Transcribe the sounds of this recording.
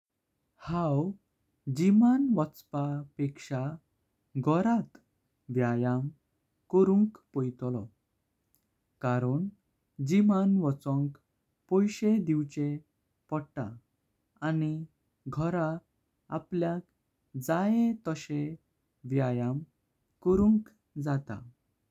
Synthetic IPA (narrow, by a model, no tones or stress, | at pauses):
haw | d͡ʑimanʋɔt͡spapekʂa | ɡʱɔɾat̪ | ʋjajam | kɔɾũŋkpɔjt̪lɔ | kaɾəɳ | d͡ʑimanʋɔt͡sɔ̃ŋk | pɔjɕed̪iwt͡ɕe | pɔɽʈ̪a̰ː | ni | ɡʱɔɾa | apljak | d͡zajet̪əɕe | ʋjajam | kɔɾũŋk | d͡zat̪a̰